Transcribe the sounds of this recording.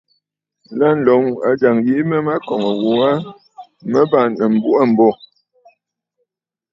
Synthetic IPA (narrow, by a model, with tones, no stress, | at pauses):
la˦n̩˨lɔ˨˦ŋa˨d͡ʒa˨ŋɣi˨˦mə˦ma˦kɔ˨ŋə˨wo˨a˦ | mə˦ba˦˨nə˨m̩˨bu˦ʔa˦˨m̩˨bɔ˦˨